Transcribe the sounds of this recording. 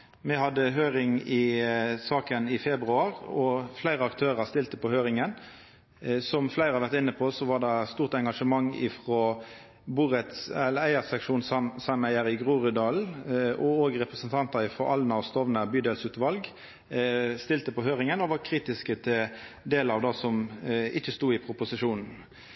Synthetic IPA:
mɛɦɑd̪ːəɦøːɾɪŋɪsɑːkənɪfɛbɾʉɑʁɔflæɪʁəɑkt̪ʰøːʁəst̪ɪlt̪əpɔhøːɾɪŋən | sɔmflæɪɾʁɑɾʋæʁt̪ɪnːəpʰɔːsɔʋɑʁd̪ɑst̪uːʁt̪ɛŋɡɑʂəmɑŋːɪ̰fʁoː | buːʁət̪sɛlːəæɪəsɛkʂuːnsɑmæɪəɾɪɡʁuːʁʉd̪ɑːl̩ɔoːɡəʁɛpɾəsənt̪ʰɑnt̪ɑɾɪfʁɔʔɑlnɑɔst̪ɔʋnəbyːd̪ɛːlsʉːt̪ʋɑlɡ | st̪ɪlt̪əpɔɦøːʁɪŋənɔʋɑɾkʰʁiːt̪ɪskət̪ʰɪld̪eːləɾɑʋd̪ɑːsɔmɪçəst̪uːɪpʰʁʊpʊsɪʂuːnn̩

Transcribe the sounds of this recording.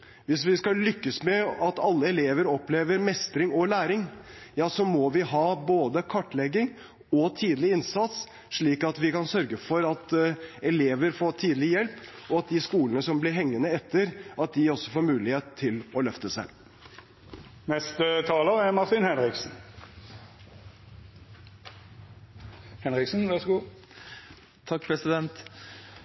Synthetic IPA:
ʋɪsʋɪskɑlʏkːəsmɛɑt̪ɑlːəɛleːʋəɾɔpleːʋəɾmɛst̪ɾɪŋɔlæːɾɪŋjɑːsɔmɔʋɪɦɑːboːd̪əkʰɑʈːlɛɡɪŋ | ɔt̪ʰiːd̪lɪɪnsɑt̪s | ʂɭiːkɑt̪ʋɪkɑnsœɾɡəfɔɾɑt̪ɛleːʋəɾfoːʈʰiːd̪lɪjɛlpɔɑt̪̚d̪ɪskuːlənəsɔmblɪɾɦɛŋːənəɛt̪ʰːəɾʔɑt̪̚d̪ɪɔsːɔfoːɾmʉːlɪheːt̪ʰːɪlɔlœft̪əsæɪ | nɛst̪ət̪ʰɑːləʁɛmɑʁt̪ɪnhɛnɾɪksn̩ | hɛnɾɪksn̩ʋɑʁsɡuː | t̪ʰɑk̚pʰɾɛsɪd̪ɛnt̪

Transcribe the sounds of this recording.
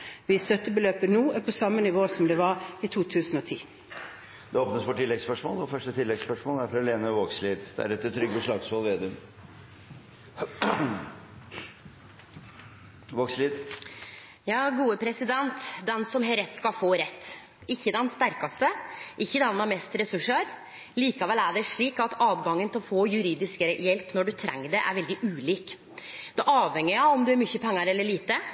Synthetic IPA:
ʋɪsœt̪əbəløːpənuːɛpʰɔsɑmːənɪʋoːsɔmd̪ɛʋɑɾit̪ʰuːt̪ʰʉːsn̩ɔːt̪ʰiː | d̪̥ɛoːp̚nəsfɔʈʰɪlːɛɡspœʂmo̰ːlɔfœʂʈət̪ʰɪlːɛɡspœʂmoːlæɾfɾɑleːnəʋoːksliːd̪d̪̥æ̰ɾɛt̪ːt̪ʰːɾʏɡəʂlɑːɡshɔlʋeːd̪ʉm | ʋoːksliːd̪ | jɑːɡuːəpʰɾɛsɪd̪ɛnt̪d̪ɛnsɔmɦeːɾɛt̪ːskɑlfoːɾɛt̪ː | ɪçːəd̪ɛnst̪æɾkɑst̪əʔɪçːəd̪ɛnːɑmɛst̪ɾɛsʉʂəɾ | liːkɑʋɛlæɖɛʂɭiːkɑt̪ɑːʋɡɑŋːənt̪ʰɪlɔfoːjʉɾiːd̪ɪskəɾjɛlpnɔɖʉt̪ʰɾɛ̰ŋːəɖɛʔæ̰ɾʋɛld̪ɪʔʉːliːk | d̪̥ɛʔɑːʋhɛŋːɪɑɔmd̪ʉæɾmʏçːəpʰɛŋːɑɾɛlːəɭiːt̪ə

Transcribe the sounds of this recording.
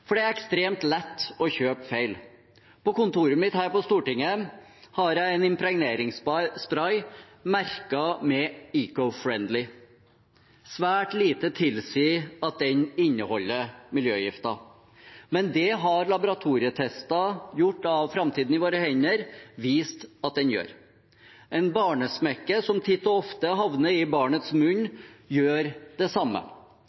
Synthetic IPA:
fɔɖɛæɾɛkst̪ɾeːmt̪lɛt̪ːɔçøːpfeɪl | pʰɔkʊnt̪uːɾəmɪt̪hæːɾpɔst̪uːʈɪŋːə | hɑɾjæɪɛnɪmpɾɛɡneːɾɪŋsspɾɑɪ | mæɾkɑmɛiːkɔfɾɛnd̪lɪ | sʋæːʈliːt̪ət̪ʰɪlsiːɑt̪̚d̪ɛnɪɲːəhɔlːəmɪljøːjɪft̪ɑ | mɛnd̪ɛɦɑɾlɑbʊɾɑt̪ʰuːɾɪət̪ʰɛst̪ɑjʊʈːɑʋfɾɑmt̪ʰiːd̪n̩ɪʋoːɾəhɛɲːəɾʋiːst̪ɑt̪̚d̪ɛnjø̰ːɾ | ɛɪnbɑːɳəsmɛkːəsɔmt̪ʰɪt̪ːɔɔft̪əɦɑʋnəɾɪbɑːɳət̪smʉnjøːɾd̪̥ɛsɑmːə̰

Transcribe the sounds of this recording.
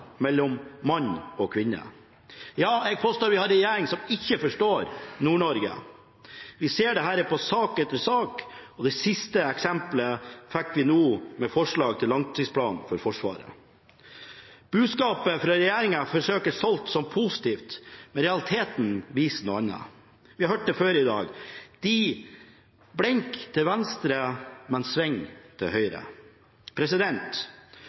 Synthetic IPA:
mɛlːɔmːɑɲɔkʰʋɪnːə̰ | jɑːɛɡ̚pʰoːst̪oːɾʋɪhɑɾɛjeːɾɪŋsɔmɪçːəfɔʂʈoːɾnuːɳɔɾɡə̰ | ʋɪseːɖɛɦæːɾpɔsɑːkɛt̪ːəɾsɑːkɔd̪ɛsɪst̪əɛksɛmpləfɛkːʋɪnuːmɛfɔʂɭɑːɡ̚t̪ʰɪlːɑŋt̪ʰɪspʰlɑ̰ːnfɔɾfɔʂʋɑ̰ːɾə̰ | b̥ʉːd̪skɑːpəfɾɑɾɛjæːɾɪŋɑfɔʂøːkəsɔlt̪sɔmpʰʊsɪ̥t̪ʰiːft̪mɛɾɛɑlɪt̪ʰeːt̪n̩ʋiːsənuɑnːə̰ | ʋɪhɑɾhøːʈ̚d̪ɛføːɾɪd̪ɑ̰ːɡd̪̥i | bɽɛŋkt̪ʰɪlʋɛnst̪ɾəmɛnsʋɛŋːt̪ʰɪlɦœʏɾə̰ | pʰɾɛsɪd̪ɛnt̪

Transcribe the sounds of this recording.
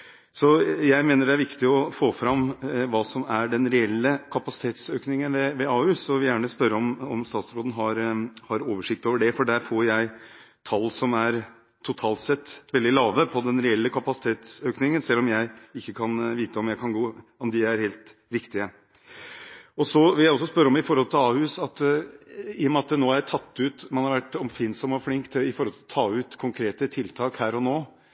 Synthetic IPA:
sɔjæɪmeːnəɖɛæɾʋɪkt̪ɪɔfoːfɾɑmːʋɑːsɔmæɖɛnɾɛɛlːəkʰɑpɑsɪ̥t̪ʰeːt̪søːknɪŋənʋɛʋɛɑːʉsɔʋɪljæːɳəspœɾːəɔmɔ̰mst̪ɑːt̪sɾoːd̪ən̩ɦɑɾhɑɾoːʋəʂɪk̚t̪oːʋəɖɛfɔɖæɾfoːɾjæɪ | t̪ʰɑlːsɔmæɾ | t̪ʰːʊt̪ʰɑːlt̪sɛt̪ːʋɛld̪ɪlɑːʋəpʰɔd̪ɛnɾɛɛlːəkʰɑpɑsɪt̪ʰeːt̪søːknɪŋənsɛlːɔmjæɪɪkːəkʰɑnʋiːt̪əɔmjæɪkʰɑnɡoːɔmd̪ɪæɾheːlt̪ɾɪkt̪ɪə | ɔsɔʋɪljæɪɔsːɔspœɾːəɔmɪfɔɾhɔlt̪ʰɪlɑːhʉːsɑt̪ | ɪːɔmɛɑt̪noːæɾjæɪt̪ʰɑt̪ːʉt̪mɛnhɑɾʋæʈːɔmfɪnsɔmɔflɪŋkt̪ʰɪfɔɾhɔlt̪ʰɔt̪ʰɑːʉːt̪kʰʊŋkʰɾeːt̪ət̪ʰɪlt̪ʰɑːkhæːɾɔnoː

